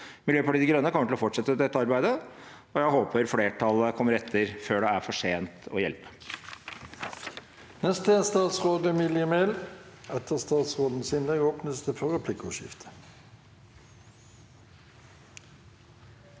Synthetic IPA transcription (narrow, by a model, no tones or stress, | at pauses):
mɪljøːpɑʈiːd̪ɪɡɾœnːəkʰɔmːəʈɪlɔfɔʈʂɛt̪ːəd̪ɛt̪ːəɑɾbæɪd̪ə | ɔjæɪɦoːpʰəɾfleːʈʰɑləkʰɔmːəɾɛt̪ʰːəɾføːɖɛæɾfɔʂeːnt̪ɔ̰jɛlpə̥ | nɛst̪əst̪ɑːt̪sʁoːd̪əmɪljəmelɛt̪əʁst̪ɑːt̪sʁoːd̪n̩sɪnlɛɡɔpnʉst̪əfɔʁəpʰlɪkːɔ̰ʃɪ̰ft̪ʰə̥